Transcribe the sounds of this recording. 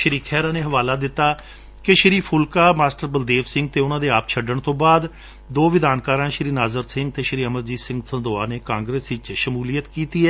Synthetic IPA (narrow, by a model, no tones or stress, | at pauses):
ʃəɾiːkʰɛːɾãːneːɦəʋaːlaːd̪ɪt̪ːaː | kɪʃɪɾiːpʰʊlkaːmaːsʈəɾbəld̪eːʋsɪŋɡ̚t̪eːʊnãːd̪eːaːp̚t͡ʃʰəɖəɳt̪õːbaːd̪ | d̪oːʋɪd̪aːnkaːɾãːʃɾiːnaːzəɾsɪ̃ŋɡ̚t̪eːʃɾiːəməɾd͡ʒiːsɪ̃ŋɡsənd̪oːaːneːkãːŋɡɾeːsɪt͡ʃʃəmuːlijət̪kiːt̪iːɛː